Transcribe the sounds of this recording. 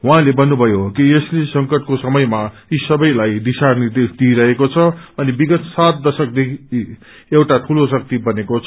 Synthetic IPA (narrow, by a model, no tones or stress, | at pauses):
ɦwãlebʌnːubʱʌjokieslesʌŋkʌʈkosʌmʌjma | isʌbʌjlajd̪isarnird̪esd̪iɾʌɦekot͡sʰʌʌnibiɡʌt̪sat̪̚d̪ʌsʌk̚d̪ekʰii | ewʈaʈʰulosʌk̚t̪ibʌnekot͡sʰ